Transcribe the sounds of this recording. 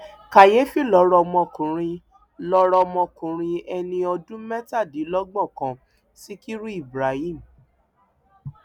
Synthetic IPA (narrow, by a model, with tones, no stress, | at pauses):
ka˨je˨˦fi˦˨lɔ˨˦ɾɔ˧mɔ̃˧kũ˨ɾ̃ĩ˧ | lɔ˧ɾɔ˧mɔ̃˧kũ˨ɾ̃ĩ˧ɛ˧nĩ˧ɔ˧dũ˦mɛ˦ta˦˨di˨˦lɔ˦ɡ͡bɔ˦˨kã˨ | si˦ki˦ɾu˦i˦˨bɾa˨˦i˦˨m̩˨